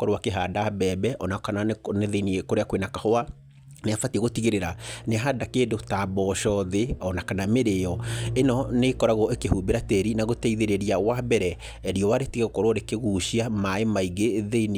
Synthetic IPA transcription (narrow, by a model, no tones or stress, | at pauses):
kɔɾwakeɦadabɛbɛʔɔnakananeðeiniekoɾeakwenakahɔa | neafatieɣotiɣeɾeɾaneaɦadakeːndotabɔʃɔðeɔnakanameɾeɔenɔnekɔɾaɣɔʔekehubeɾateɾinaɣotɛiðeɾeɾiawabɛɾɛː | ɾiɔwaɾetiɣɛɣokɔɾwɔɾekeɣuːʃiamaemaiɣeðein